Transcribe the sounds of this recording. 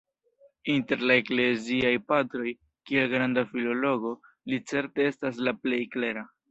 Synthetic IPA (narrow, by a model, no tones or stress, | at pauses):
inte̞ɾlaekle̞ziajpatɾo̞j | kiaɡɾandafilo̞lo̞ɡo̞ | lit͡se̞ɾte̞e̞staslaple̞jkle̞ɾa